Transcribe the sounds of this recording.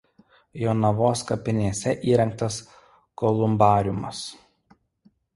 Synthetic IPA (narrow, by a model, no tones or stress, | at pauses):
joːnɐʋoːskɐpʲɪnʲiɛsʲɛʔiːɾʲɛŋk̚t̪ɐs | kɔlˠʊmbɑːɾʲʊmɐs